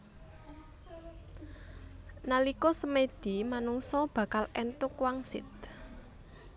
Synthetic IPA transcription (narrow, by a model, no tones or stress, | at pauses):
nalikɔsəmed̪̥i̤manuŋsɔb̥ä̤kalɛnt̪ʊkwaŋsɪ̰t̪̚